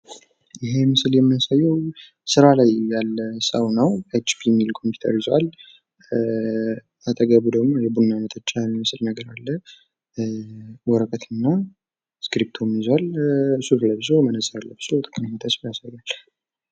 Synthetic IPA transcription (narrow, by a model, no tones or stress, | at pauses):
jɪɦe̞mɨsɨljɛmːɨnasajːɛw | sɨɾalajjalːəsəwnəwat͡ʃːfʰiɛmːilkʰo̞mpʰu̥t̪ʰə̰ɾɪzwal | at̪ʼəɡəβud̪əɡmo̞jɛbunːanət̪ʰət͡ʃːanmɨsɨlnəɡəɾalːə | wɔɾəkʼət̪ʰɨnːa | skɾip̚t̪ʰomjizwalsuɾləbzomənəsʼəɾlːəbɨz̥ot̪ʼɨ̥kʼəmmət̪ʰəsfjasajːal